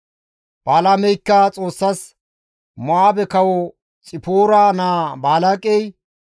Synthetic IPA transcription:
b̥aːlamɛjkːɐt͡sʼo̞ːsːɐs | mɔaːbɛkɐwɔ | t͡sʼɪpoːɾaːnaːbaːlakʼɛj

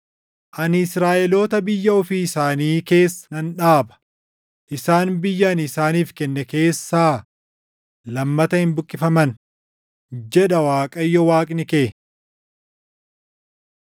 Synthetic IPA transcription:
ʔɐnɪsɾaːʔɛlo̞ːt̪ɐbɪjːɐɔfiːɪsaːniːke̞ːsːɐnɐnᶑaːbɐ̥ | ʔɪsaːnbɪjːɐːnɪsaːniːfkɛnːɛke̞ːsːaː | lɐmːɐt̪ɐhɪnbʊkʼːɪfɐmɐn | d͡ʒɛᶑɐwaːkʼɐjːɔwaːkʼnɪkeː

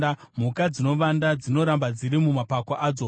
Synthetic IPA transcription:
am̤ukad͡zino̞ʋandad͡zino̞ɾambad͡ziɾimumapakwaʔaːd͡zo

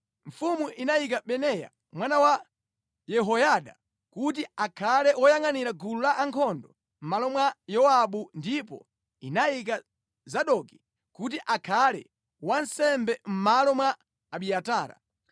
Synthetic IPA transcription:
ɱ̩fumuʔinajik̬aɓɛnɛja̰ | mwanawa | jɛɦɔjaɗa̰ | kut̬iakʰalɛwɔjaŋaniɾaɡululaʔaŋkʰɔndɔ | m̩malɔmwajɔaɓundipɔ̰ | inajik̬a | zaɗɔki̥ | kut̬iʔakʰalɛ̰ | wansɛmbɛm̩malɔmwaː | ɓiataːɾa̰

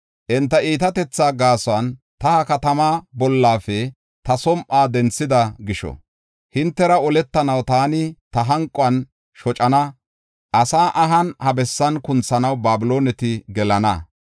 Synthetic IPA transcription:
ʔɪnt̪ːɐiːt̪ɐt̪ɛt͡sːaːɡaːsɔɐn | t̪ɐhɐkɐt̪ɐmaːbɔlːaːfɛ | t̪ɐsɔmʔaːd̪ɛnt͡sːɪd̪ɐɡɪʃɔ̰ | hɪnt̪ːɛɾɐɔlɛt̪ːɐnɐwt̪aːnɪt̪ɐɦɐŋkʼːʊɐn | ʃɔt͡ʃʼɐnɐ | ʔɐsaːʔɐɦɐnhɐbɛsːɐnkʊnt͡sːɐnɐwbaːbɪlo̞ːnɛt̪ɪɡɛlɐnɐ̰

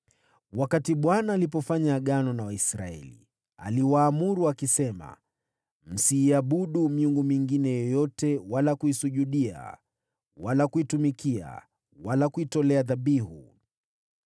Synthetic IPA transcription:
wakatiɓwanaːlipɔfaɲaːɠanɔnawaisɾa̰ɛ̰lḭ | a̰liwaːmuɾuakisɛma̰ | m̩siːaɓuɗumiuŋɡumiŋɡinɛjɔjɔtɛwalakuisuʄuɗia̰ | walakuitumikia̰ | walakuitɔlɛaðaɓiɦu

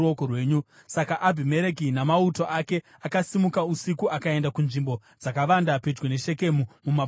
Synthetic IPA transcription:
okorwe̞ːɲu | sakaʔabʱime̞ɾekinamauto̞ʔake̞ | akasimukausikuʔakae̞ndakunʐimbo̞ | d͡zakaʋandaped͡ʒɡwene̞ʃe̞ke̞mumuma

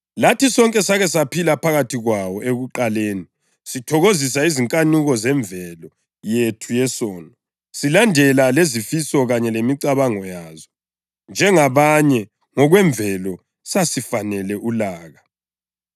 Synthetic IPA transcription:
latisɔŋkʼɛsaɣɛsapʰilapʰaɣatʰiɣwawɔʔeɣuǃaleːni | sitʰɔɣozis̬aiziŋkʼanuɣɔzɛɱbvʱɛlɔ | jetʰujɛsɔːnɔ | silandʱɛlalezifisɔɣaɲɛlemiǀaβaŋɔjaːzɔ | nd͡ʒʱɛŋaβaɲɛ | ŋɔɣwɛɱbvʱɛlɔ | sasifanɛlɛʔulaːɣa

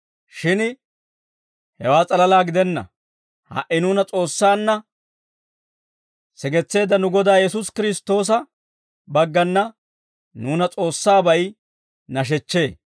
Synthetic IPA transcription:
ʃɪn | hɛwaːt͡sʼɐlɐlaːɡɪd̪ɛnːɐ̰ | hɐ̰ʔɪnuːnɐt͡sʼo̞ːsːaːnːɐ | sɛɡɛt͡sːe̞ːd̪ɐnʊɡɔd̪aːjɛs̬ʊskɪɾɪst̪o̞ːs̬ɐ | bɐɡːɐnːɐ | nuːnɐt͡sʼo̞ːsːaːbɐj | nɐʃ̬ɛt͡ʃːe̞ː

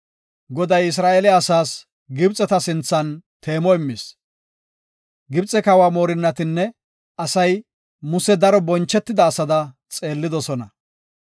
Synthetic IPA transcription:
ɡɔd̪ɐjɪs̬ɾaːʔelɪːsaːs | ɡɪbt͡sʼːɛt̪ɐsɪnt͡sːɐnt̪ʰe̞ːmɔɪmːɪs | ɡɪbt͡sʼɛkɐwaːmo̞ːɾɪnːɐt̪ɪnːɛ | ɐsɐj | mʊsɛd̪ɐɾɔbɔnt͡ʃːɛt̪ːɪd̪ɐːsɐd̪ɐ | t͡sʼe̞ːlːɪd̪ɔsɔnɐ̰

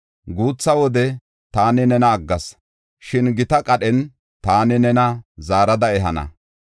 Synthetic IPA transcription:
ɡuːt͡sːɐwɔd̪ɛ | t̪aːnɪnɛnɐːɡːɐs | ʃɪnɡɪt̪ɐkʼɐɗɛn | t̪aːnɪnɛnɐzaːɾɐd̪ɐɛɦɐnɐ̰

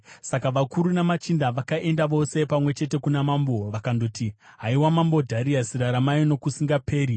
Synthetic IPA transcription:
sakaʋakuɾunamat͡ʃindaʋakaʔe̞ndaʋo̞se̞pamwe̞t͡ʃe̞te̞kunamaːmbo̞ʋakando̞ti | ɦaiwamambo̞dʱaɾiasiraɾamajino̞kusiŋɡape̞ːɾi

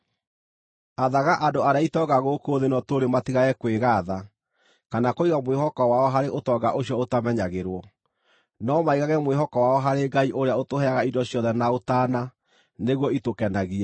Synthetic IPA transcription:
aðaɣaʔadoaɾeaitɔɡaɣokoðenɔtoɾematiɣaɛkweɣaða | kanakoiɣamweɦɔkɔwaɔɦaɾeʔotɔɡaʔoɕjɔotamɛɲaɣeɾwɔ | nɔmaiɣaɣɛmweɦɔkɔwaɔɦaɾeɡaiʔoɾeaotohɛaɣaidɔɕjɔðɛnaotaːna | neɣwɔitokɛnaɣiɛ

